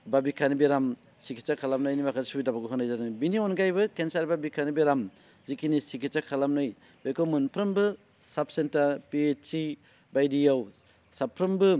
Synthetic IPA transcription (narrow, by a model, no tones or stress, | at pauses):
babikʰanibeɾam | sikʰit͡ʃakʰalam̚nɯjnimakʰazsubitabaɡɯɦɯnajzanɯbinionɡajbɯkensaɾbabikʰanibeɾam | zikinisikʰit͡ʃakʰalamnɯj | bekowmunpʰɾɯmbɯ | sap̚sentaɾpiet͡ʃsi | bajdiaw | sapʰːɾɯmbɯ